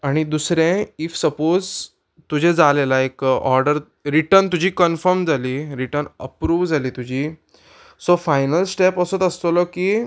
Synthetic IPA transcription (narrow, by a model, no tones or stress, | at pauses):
aɽ̃id̪usɾẽifsəpod͡z | t̪ud͡ʑʱed͡zalelaekɔ̰ɾɖəɾ | ɾiʈəɾnt̪ud͡ʑʱiːkənfəɾmd͡zaliːɾiʈəɾnə̰pɾuːʋd͡zʱaliːt̪ud͡ʑiː | sofajnəlsʈepəsut̪əst̪olɔkiː